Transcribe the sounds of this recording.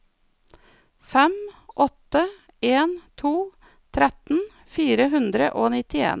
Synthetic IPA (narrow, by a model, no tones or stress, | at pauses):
fɛmʔɔt̪ə | eːnt̪ʰuː | t̪ʰɾɛt̪n̩ | fiːɾəhʉnd̪ɾəʔoːnɪt̪ɪḛːn